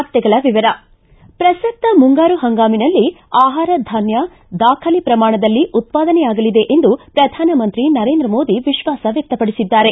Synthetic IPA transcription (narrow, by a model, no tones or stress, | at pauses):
t̪jɛɡɐɭɐʋiʋɐɾɐ | pɾɐsɐk̚t̪ːɐmuŋɡaːɾuɦɐŋɡaːminɐlːi | aːɦaːɾɐd̪ʱaːnjɐ | d̪aːkʰɐlipɾɐmaːɳɐd̪ɐlːiʔut̪̚paːd̪ɐnɛjaːɡɐlid̪e̞ʔend̪upɾɐd̪ʱaːnɐmɐnt̪ɾinɐɾe̞ːnd̪ɾɐmo̞ːd̪iʋiʃʋaːsɐʋjɐk̚t̪ɐpɐɽisid̪ːaːɾe̞